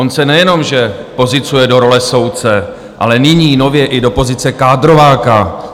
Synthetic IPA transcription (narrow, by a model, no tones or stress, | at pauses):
onsɛnɛjɛno̞mʒɛ | po̞zɪt͡sujɛdo̞ɾo̞lɛso̞wt͡sɛ | ʔa̰lɛnɪɲiːno̞vjɛʔɪdo̞po̞zɪt͡sɛkaːdɾo̞vaːka